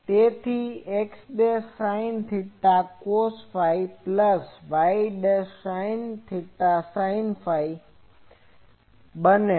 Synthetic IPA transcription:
t̪eːt̪ʰieksɗesaːɪnt̪ʰɪʈakoːsfaːipləsʋaːɪiɖesaːɪnt̪ʰɪʈasaːɪnfaːi | ɓən

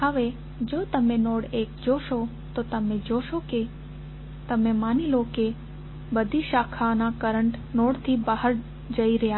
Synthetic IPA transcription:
ɦəʋe | d͡ʒot̪əmenoɽek̚d͡ʒoʃo | t̪ot̪əmed͡ʒoʃoke | t̪əmemaniloke | bəd̪ʱiʃakʰanakəɾəɳʈnoɽt̪ʰibaɦəɾ | d͡ʒəiɾəɦja

